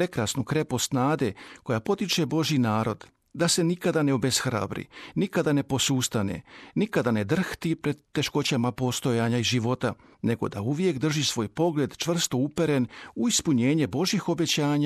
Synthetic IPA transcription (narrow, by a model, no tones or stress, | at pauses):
pɾe̞kɾasnukɾe̞po̞snaːd̪e̞ko̞japo̞t̪it͡ʃe̞bo̞ʒjinaːɾo̞d̪ | d̪ase̞nikad̪ane̞obesxɾa̰ːbɾḭnikad̪ane̞po̞suːst̪anḛnikad̪ane̞d̪r̩xt̪ipɾe̞d̪ːe̞ʃko̞t͡ɕamapo̞st̪o̞jaːɲaiʒiʋo̞t̪a | ne̞ɡo̞̰d̪a̰uʋje̞kd̪r̩ʒisʋo̞ːjpo̞ɡle̞ːd̪t͡ʃʋr̩st̪o̞upe̞ɾe̞nuispuɲe̞ːɲe̞bo̞ʒjixo̞be̞t͡ɕaːɲa